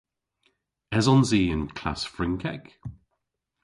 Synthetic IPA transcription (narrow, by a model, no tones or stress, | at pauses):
ɛzɔnziːə̃nkʰl̥a̰sfɹɪŋkʰɛk